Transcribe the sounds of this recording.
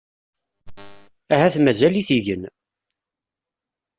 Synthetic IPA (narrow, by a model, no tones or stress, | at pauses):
æhæθmæzæliθiʝən